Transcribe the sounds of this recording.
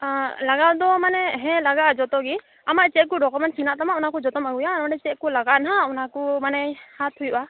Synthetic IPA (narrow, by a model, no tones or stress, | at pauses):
laɡawd̪ɔmanɛɦɛ̃laɡad͡ʒɔt̪ɔɡi | amaʔt͡ʃɛt̚kɔɖɔkɔmɛnʈsinaʔt̪amaunakɔd͡ʒɔt̪ɔmaɡujanaɖɛt͡ʃɛt̪̚kulaɡanɦaunakɔmanɛhat̪ʰujba